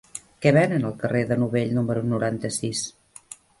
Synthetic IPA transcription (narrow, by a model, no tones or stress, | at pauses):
kɛβɛnənəlˠkərʔeðənuβeʎnuməɾunuɾant̪əsis